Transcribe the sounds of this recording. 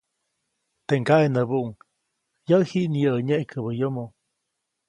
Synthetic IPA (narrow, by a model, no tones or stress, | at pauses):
t̪eŋkaʔenəbuʔuŋ | jəhiʔnijəəɲeʔkʰəβəjomo